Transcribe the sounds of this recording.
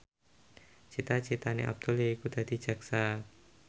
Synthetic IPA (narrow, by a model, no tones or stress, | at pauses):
t͡ʃit̪at͡ʃit̪aneʔa̰b̚d̪̥uleikud̪ad̪̥i̤̥d͡ʒ̥a̤ksa